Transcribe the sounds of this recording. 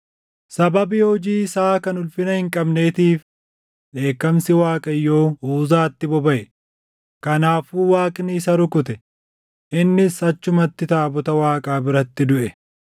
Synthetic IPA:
sɐbɐbɪhɔd͡ʒiːɪsaːkɐnʊlfɪnɐhɪŋkʼɐbne̞ːt̪iːf | ᶑe̞ːkːɐmsɪwaːkʼɐjːo̞ːuːzaːt̪ːɪbɔbɐʔɛ | kɐnaːfuːwaːkʼnɪːsɐɾʊkʊt̪ɛ | ʔɪnːɪsɐt͡ʃːʊmɐt̪ːɪt̪aːbʊt̪ɐwaːkʼaːbɪɾɐt̪ːɪd̪ʊʔɛ

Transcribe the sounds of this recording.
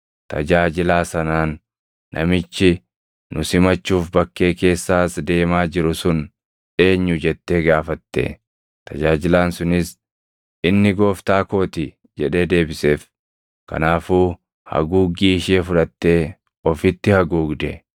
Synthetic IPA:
t̪ɐ̰d͡ʒaːd͡ʒɪlaːsɐnaːnː | ʔɐ̰mɪt͡ʃːɪ | nʊsɪmɐt͡ʃːuːfbɐkːe̞ːke̞ːsːaːsd̪e̞ːmaːd͡ʒɪɾʊsʊn | ᶑe̞ːɲːʊd͡ʒɛt̪ːe̞ːɡaːfɐt̪ːḛː | t̪ɐd͡ʒaːd͡ʒɪlaːnsʊnɪs | ɪnːɪɡo̞ːft̪aːko̞ːt̪ɪ | d͡ʒɛᶑe̞ːd̪e̞ːbɪse̞ːf | kɐ̰naːfuː | hɐ̰ɡuːɡiːʃeːfʊᶑɐt̪ːe̞ː | ɔfɪt̪ːɪhɐɡuːɡd̪ɛ

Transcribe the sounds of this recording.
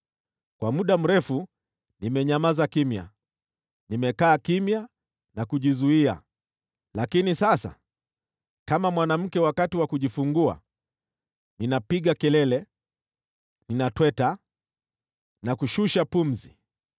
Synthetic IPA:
kwamuɗam̩ɾɛfu | nimɛɲamazakimja̰ | nimɛkaːkimja | nakuʄizuia̰ | lakinisasa̰ | kamamwanam̩kɛwakatiwakuʄifuŋɡua̰ | ninapiɠakɛlɛlɛ | ninatwɛta | nakuʃuʃapum̩zi

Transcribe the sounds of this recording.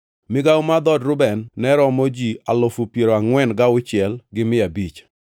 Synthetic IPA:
mɪɡaʊmad̪ɔdɾʊbɛnːɛɾɔmod͡ʒialofupjeɾoaŋwɛnɡaʊt͡ʃɪɛlɡɪmɪabit͡ʃ

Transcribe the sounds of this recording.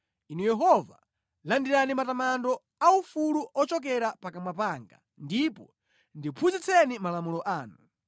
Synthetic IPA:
inujɛɦɔva | landiɾanimatamandɔ | aufuluʔɔt͡ʃɔk̬ɛɾapakamwapaŋɡa̰ | ndipɔ | ndipʰuzit͡sʰɛnimalamulɔʔaːnu

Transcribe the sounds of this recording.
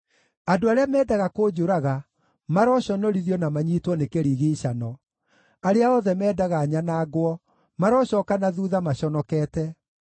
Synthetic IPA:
adoaɾeamɛːdaɣakoːd͡ʒoɾaɣa | maɾɔɕɔnɔɾiðiɔnamaɲiːtwɔnekeɾiːɣeɕanɔ | aɾeaɔðɛmɛːdaɣaːɲanaːɡwɔ | maɾɔɕɔːkanaðuːðamaɕɔnɔkɛːtɛ

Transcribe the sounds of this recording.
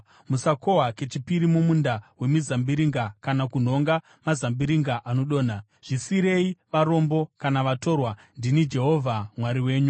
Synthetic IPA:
musako̞ɦwake̞t͡ʃipiɾimumundawe̞mizambiɾiŋɡakanakun̤o̞ŋɡa | mazambiɾiŋɡaʔano̞ɗo̞ːna | ʐ̥isiɾe̞iʋaɾo̞mbo̞kanaʋato̞rwa | ndinid͡ʒe̞ɦo̞ːvʱamwaɾiwe̞ːɲu

